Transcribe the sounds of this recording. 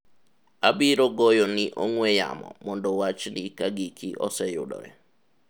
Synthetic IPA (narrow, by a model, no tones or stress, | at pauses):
abiɾoɡojonɪʔoŋweja̰mɔ̰mɔndɔwat͡ʃnɪkaɡikʰiʔɔsɛjʊ̰dɔ̰ɛ